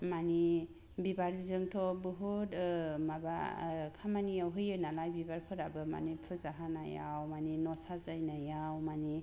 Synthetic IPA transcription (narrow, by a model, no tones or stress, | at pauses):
mani | bibaɾizɯŋtʰɔbɯɦutmaba̰kʰamaniawɦɯjɯnalajbibaɾkʰɯɾabɯma̰nipʰɯzaɦana̰ja̰wmaninɔsazajnajawmani